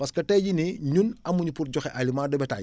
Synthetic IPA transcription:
pɐskɐtɛːɟiniɲunɐmːuɲipuɾɟɔxɛʔalimaːdɛbɛta̰j

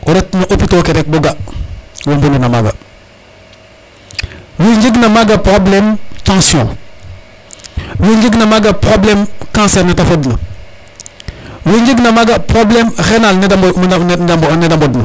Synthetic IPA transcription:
oɾetnaʔopitokeɾek̚buɡa | wombuninamaɡa̰ | wiɲd͡ʒiɡnamaɡapɾoblemtãsiõ | wiɲd͡ʒiɡnamaɡapɾoblemkãsɛɾnatafodna̰ | wiɲd͡ʒiɡnamaɡapɾoblemɾenalnid | bnedambodna

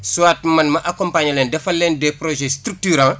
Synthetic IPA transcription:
suwaːt̚mɐnmɐʔakɔmpaɲɐlɛndɛfɐlɛndɛpɾɔʒɛstɾuk̚tyɾã

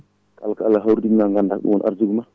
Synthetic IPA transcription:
kalkaalːaɦawɾdinaŋɡandakɗṵŋwɔnʔa̰ɾd͡ʒuɡuma

